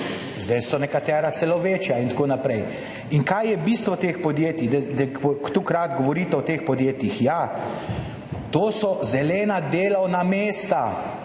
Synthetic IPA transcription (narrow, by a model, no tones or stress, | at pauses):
zd̪ɛjsɔnɛkat̪ɛːɾasɛlɔʋeːt͡ʃjaint̪akoːnapɾɛj | iŋkajjɛbist̪ʋɔt̪eːxpɔd̪jeːt̪id̪ɛd̪ɛkt̪ukɾaːd̪ɡɔʋɔɾiːt̪ɛɔt̪eːxpɔd̪jeːt̪jixja | t̪oːsɔzɛlɛːnad̪eːlɔwnameːst̪a